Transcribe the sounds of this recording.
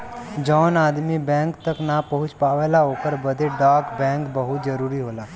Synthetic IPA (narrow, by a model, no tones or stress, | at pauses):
d͡ʒɔːnaːd̪mibɛ̃ːŋkt̪əknapɐɦʊt͡ʃpaːʋeːlaɦoːkəɾbɐd̪ʱeɖaːkbɛ̃ːŋkbɐɦʊt̪d͡ʒɐɾuːɾiɦoːlaː